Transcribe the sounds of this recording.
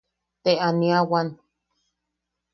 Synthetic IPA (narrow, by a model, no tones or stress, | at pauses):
t̪eʔaniawan